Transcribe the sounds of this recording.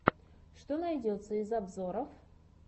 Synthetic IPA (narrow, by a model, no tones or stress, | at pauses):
ʂt̪onɐjdʲo̞t̪səɪzɐbzo̞ɾəf